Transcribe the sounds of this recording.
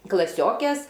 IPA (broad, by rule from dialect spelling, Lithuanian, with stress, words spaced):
klˠɐˈsʲoːkʲeːs